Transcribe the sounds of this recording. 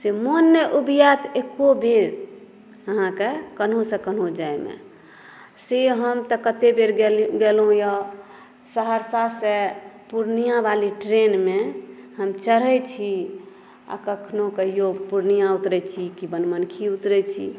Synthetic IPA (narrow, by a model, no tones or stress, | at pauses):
semonːəʔubijat̪ekːobeɾ | əɦãkekənɦõsẽkənɦõd͡ʒaemḛ | seɦəmt̪əkət̪ebeɾɡeɡelɦõjɔ | səɦəɾsasepuɾnijãbaliʈɾenmeɦəmt͡ʃəɾɛt͡ʃʰi | a̰kəkʰnokəɦijopuɾnijãut̪ɾɛt͡ʃʰikibənmənkʰiut̪ɾɛt͡ʃʰḭ